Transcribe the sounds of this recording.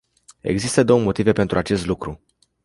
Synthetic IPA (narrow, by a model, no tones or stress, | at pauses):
e̞̰ɡzist̪əd̪o̞wəmo̞t̪ive̞pe̞nt̪ɾʔuat͡ʃe̞st̪lukɾu